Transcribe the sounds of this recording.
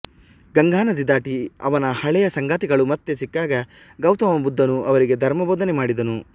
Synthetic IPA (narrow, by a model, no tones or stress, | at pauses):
ɡɐŋɡaːnɐd̪id̪aːʈiɐ̰ʋɐnɐhɐɭɛjɐsɐŋɡaːt̪iɡɐɭumɐt̪ːesikːaːɡɐ | ɡɐwt̪ɐʋɐbud̪ʱːɐnuʔɐʋɐɾiɡe̞d̪ʱɐɾmɐboːd̪ɐnemaːɽid̪ɐnu